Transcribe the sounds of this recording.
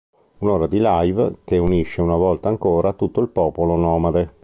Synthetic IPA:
unoːɾad̪ilajvkeuniʃːeunavɔlt̪aːŋkoːɾʔat̪ut̪ːoilpɔːpolonɔːmaɾe

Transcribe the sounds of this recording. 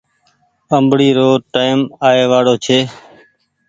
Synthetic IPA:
əmbɽiːɾoːʈaːɪmaːeːʋaːɽoːt͡ʃʰeː

